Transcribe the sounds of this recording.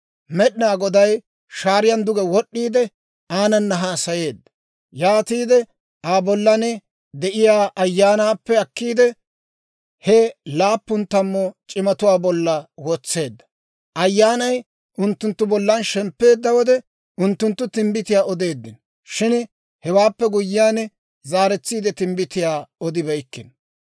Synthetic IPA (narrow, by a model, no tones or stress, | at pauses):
mɛɗɪnaːɡɔd̪ɐj | ʃaːɾɪjɐnd̪ʊɡɛwɔɗːiːd̪ɛ | aːnɐnːɐɦaːsɐje̞ːd̪ːɐ̥ | jaːt̪iːd̪ɛ | ʔaːbɔlːɐnɛ | d̪ɛʔɪjaːʔɐjːaːnaːpːɛɐkːiːd̪ɛ | hɛlaːpːʊnt̪ɐmːɔt͡ʃʼɪmɐt̪ʊwaːbɔlːɐwɔt͡sːe̞ːd̪ːɐ̥ | ʔɐjːaːnɐj | ʔʊnt̪ːʊnt̪ːʊbɔlːɐnʃɛmpːe̞ːd̪ːɐwɔd̪ɛ | ʊnt̪ːʊnt̪ːʊt̪ɪmbɪt̪ɪjaːɔd̪e̞ːd̪ːɪn | ʃɪn | hɛwaːpːɛɡʊjːɪjaːnɛ | zaːɾɛt͡sːiːd̪ɛt̪ɪmbɪt̪ɪjaːɔd̪ɪbɐjkːɪn